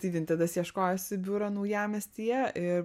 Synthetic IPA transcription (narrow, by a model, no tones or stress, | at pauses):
t̪ʲiɪʋʲɪnt̪ʲɐd̪ɐsjiɛʃkoːjosʲɪbʲʊɾɐnɐʊjæːmʲɛst̪ʲiɛʔɪɾ